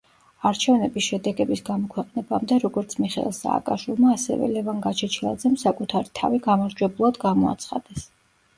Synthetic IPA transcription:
aɾt͡ʃʰɛvnɛbisʃɛd̪ɛɡɛbisɡamɔkʰwɛqʼnɛbamd̪ɛɾɔɡɔɾt̪sʰmiχɛ̰ḭlˠsa̰ːkʼaʃwilˠmaːsɛ̰vɛ̰lɛvanɡat͡ʃʰɛt͡ʃʰilˠa̰d̪zɛmsakʼut̪ʰaɾit̪ʰa̰viɡamaɾd͡ʒwɛblˠad̪ɡamɔa̰t̪sʰχa̰d̪̥ɛs

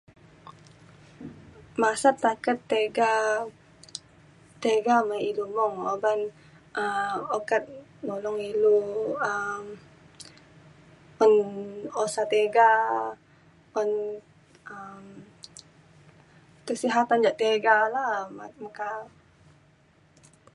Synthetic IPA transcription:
masat̪ːakət̪ːeɡa | t̪eɡamailumɔŋoban | ʔəokət̪̚ | nɔlɔŋiluəm | ɔnosat̪eɡa | ɔn | əm | t̪əsiɦat̪and͡ʒaʔt̪eɡalamamaka

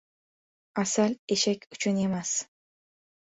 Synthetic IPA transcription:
asale̞ʃakʲʰʊt͡ʃʰʊne̞mas

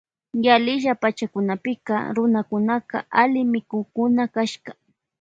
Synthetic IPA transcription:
jalɪʒapat͡ʃakʊnapɪkɑ̰ɾʊnakʊnaqɑ̰alɪmɪkʊkʊnakaʃkɑ̥

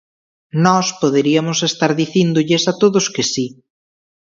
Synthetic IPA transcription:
nɔspoðeɾiɐmʊsest̪aɾðiθind̪ʊʎɪsat̪oðʊskɪsi

